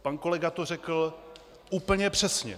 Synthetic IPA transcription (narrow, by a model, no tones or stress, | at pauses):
panko̞lɛɡat̪or̝ɛkl̩ | ʔuːpl̩ɲɛpr̝̥ɛsɲɛ̰